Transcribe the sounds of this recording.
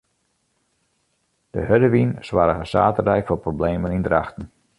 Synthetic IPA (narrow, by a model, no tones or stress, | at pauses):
d̥ə̰hødəʋinswaɾəɣəsa̰ːtədɛjkfɔprobleːmənindraxtn̩